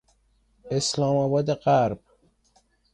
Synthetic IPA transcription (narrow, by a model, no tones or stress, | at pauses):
eslɒːmɒbɒːd̪eɢæɾb̥̚